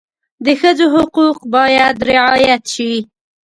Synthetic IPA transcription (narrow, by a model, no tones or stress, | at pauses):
d̪əxəzoɦʊquqbɑjad̪ɾɪʕɑjat̪ʃi